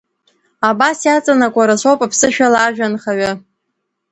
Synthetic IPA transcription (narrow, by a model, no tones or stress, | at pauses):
abasjat͡sʼanakʷʼaɾasowpʼapʰsɨʃᶣalaʒᶣanχaɥa